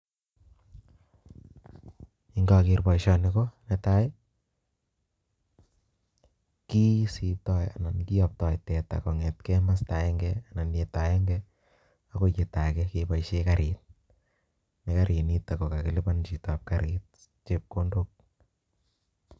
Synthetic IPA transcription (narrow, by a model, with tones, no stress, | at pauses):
i˦ŋɡɔ˧kirpa˨iʃɔnikonɛta˦ | ki˦si˨tɔja̰˨na˨nki˦jɔp̚tɔ˨jtɛ˨ta̰˨ko˨ŋɛ˨tkɛma˦sta˨ɛ˦ŋɡɛana˨nje˨ta˨ɛ˦ŋɡɛ | a˦ko˦ke˨ta˨kɛkepa˨ʃekaɾʔit̚ | ne˨kaɾʔi˨ni˦ta˨ko˨ka˨ki˨li˦pant͡ʃi˨tap̚kaɾit̚ | t͡ʃep̚ko˦ndok̚